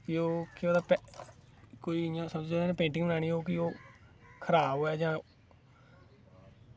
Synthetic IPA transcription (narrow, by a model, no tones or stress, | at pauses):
kɪoːkioːd̪apɛ | koːiːjãːsəb̪oːnẽːpẽːɳʈɪ̃ŋɡbənaːñiːoːkioːkʰəɾaːboːɛːd͡ʒãː